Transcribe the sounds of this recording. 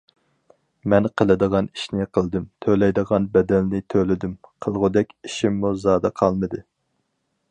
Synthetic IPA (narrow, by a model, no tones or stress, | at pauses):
mɛnqʰəlˠɨd̪əʁɑni̥ʃnɪqʰəlˠd̪ɨmt̪ʰølɛjd̪əʁɑnbɛd̪ɛlnɪt̪ʰølɪd̪ymqʰəlˠʁʊd̪ɛkʲiʃimːuzɑːd̪ɑqʰɑlˠmɨd̪ɨ